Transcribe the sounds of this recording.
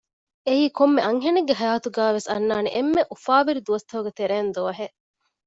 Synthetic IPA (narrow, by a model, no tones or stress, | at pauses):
eiːkomːeɐŋɦeneɡːeɦɐjaːt̪uɡæːʋesɐnːaːneʔemːeʔufaːʋiɾid̪uʋɐst̪ɐɦuɡet̪eɾeːnd̪uʋɐɦeʔ